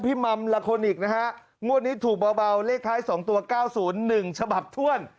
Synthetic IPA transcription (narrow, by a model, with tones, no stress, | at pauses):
pʰi˦˥˩ma˧mla˧kʰo˧nʔiː˨˩k̚na˦˥kʰa˦˥ʔ | ŋu˥˩ən̚iː˦˥t̪ʰuː˨˩k̚bɔː˧ba˧wleː˥˩k̚t̪ʰːaː˦˥jsɔː˩˦ŋt̪u˧ɐkaː˥˩wsuː˩˦nːɯ˨˩ŋt͡ɕʰa˧ba˨˩p̚t̪ʰu˥˩ən